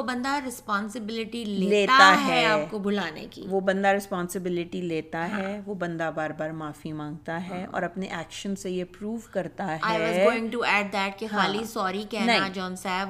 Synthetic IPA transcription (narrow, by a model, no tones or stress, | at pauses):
obɐ̃nd̪aɾɪspɔ̃ːnsɪbɪlɪʈileːleːt̪at̪aɦɛaːpkobʊlaːnḛkḭʋobɐ̃nd̪aɾɪspɔ̃ːnsɪbɪlɪʈileːt̪aɦɛʋobɐ̃nd̪abaːɾbaːɾmaːfimãːŋɡ̚t̪aɦɛʔɔ̰ːɾɐpneʔɛːkʃə̃nsejepɾuːʋkɐɾt̪aɦaɪɛɪɔzɡoːɪ̃ŋɡʈuɛːɖ̚d̪ɛʈ̚kexɦaːlisɔːɾikɛɦnɐɦɦiãd͡ʒɔ̃ːnsɛːb